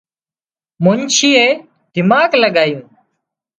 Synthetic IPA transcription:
mʊnt͡ʃiːeː | d̪̥ɪmaːɡləɠaːjũː

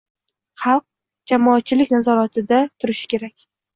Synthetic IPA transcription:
χɑlˠq̚ | d͡ʒamɒːt̪̚t͡ʃʰɪlɪkʲnazɒɾat̪ʰɪd̪at̪ʰʊɾɪʃɪ̥kʲe̞ɾakʲ

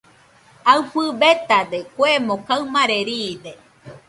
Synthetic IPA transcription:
awɸɨbet̪ad̪ekwemõkawmãɾeɾid̪e

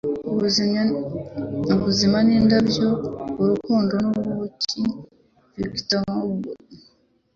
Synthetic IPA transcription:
uβuz | uβuzimanindabjouɾukuːndonuβwoci | vjoɡi̥tamauɡo

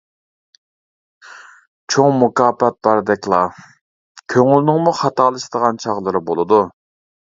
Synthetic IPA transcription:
t͡ʃʰoŋmukɑːpɛt̪̚bɑɾd̪ɛkʲlˠɑ | kʲʰøŋylnɪŋmuχɑt̪ɑːlˠɨʃd̪əʁɑnt͡ʃʰɑʁlˠɨɾɨbolˠɨd̪u

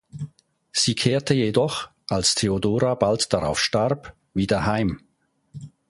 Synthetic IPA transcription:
z̥iːkʰeːɐtəjedɔχʔalstʰeodoːʁabaltd̥aʁa̰ʊfʃtaʁp | viːdɐhaɪm

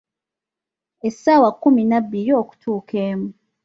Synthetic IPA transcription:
esːawakːuminabːiɾio̞ːku̥tʰuːkeːmu

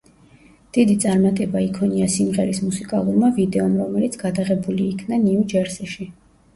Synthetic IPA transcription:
d̪̥id̪it̪sʼaɾmat̪ʼɛbaikʰɔniasimʁɛɾismusikʼalˠuɾmavid̪ɛɔmɾɔmɛlit̪sʰɡad̪aʁɛbuliːkʰnaniud͡ʒɛɾsɛʃi

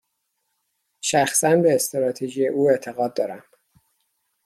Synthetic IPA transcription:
ʃæxsænbe̞ːst̪ɾɒːt̪ʰeʒijeʔuːe̞t̪ʰe̞ɣɒːd̪̚ːɒːɾæm

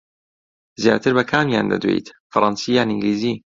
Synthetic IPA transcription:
zja̰ːt̪ʰɨɾbɐkʰaːmjaːnd̪ɐ̰d̪wḛjt̪fɐɾˤɑnsijaːniŋɡliːziː

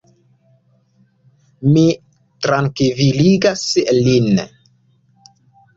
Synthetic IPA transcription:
mi | tɾaŋkiviliɡaslin

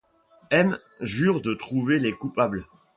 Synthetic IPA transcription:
ɛm | ʒyʁd̪ət̪χuvelekupabl

